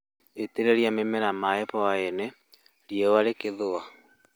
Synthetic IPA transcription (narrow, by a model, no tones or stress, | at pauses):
eteɾeɾiamemɛɾamaɛpɔaene | ɾjewaɾekeðoa